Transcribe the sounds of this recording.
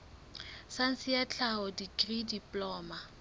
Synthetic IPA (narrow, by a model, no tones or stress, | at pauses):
san̩sɪjat͡ɬʰaɔdikʼridipʼlɔːma